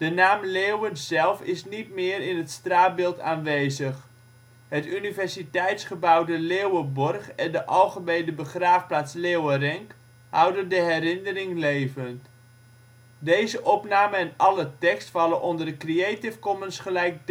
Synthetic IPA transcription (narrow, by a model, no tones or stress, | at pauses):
d̥ənaːmleːwənsɛlˠfɪsnitmɪːrɪnɦətstraːt̚bɪlˠtaːnʋejzəχ | hətynivɛrsitɛjtsχəbawdəleːwəbɔrχɛndəʔɑlˠχəmejdəbəχraːfplaːtsleːwərɛŋk | hɑwdəndəɦɛrɪnərɪŋlejvənt | dejzəʔɔpnaːməɛnɑlətɛkstfɑlənʔɔndərdəkrieːtɪfkɔmənsχəlɛjk̚d